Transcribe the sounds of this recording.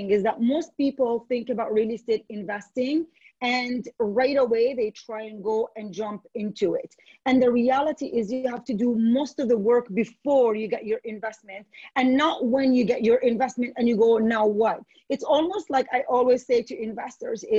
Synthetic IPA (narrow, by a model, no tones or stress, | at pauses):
ŋɨzðət̚moʊst̚pipl̩ˠθɪ̃ŋkɨbaʊt̚ɹilˠistɪɾɪ̃ɱvɛstɪ̃ŋ | ɨ̃nɹaɪɾəweɪðeɪtʰɹ̥aɪɨ̃nɡoʊʔɨ̃nd͡ʒʌ̃mpɪ̃ntʰuɪ̰t | ɨ̃nðɨɹiælˠəɾiʔɪzjɨhæftɨdɨmoʊstʌvðəwɜ˞kbɨfɔɹjɨɡɛt͡ʃə˞ʔɪ̃ɱvɛsmɨ̃ntɨ̃nːəʔ̚wɨ̃njɨɡɛt͡ʃə˞ʔɪ̃ɱvɛsmɨ̃ntɨ̃njɨɡoʊnaʊwʌt̚ | ɨtsɔlˠmoʊstˡlaɪkaɪʔɔlˠwiz̥seɪɾɨʔɪ̃ɱvɛstə˞zɪ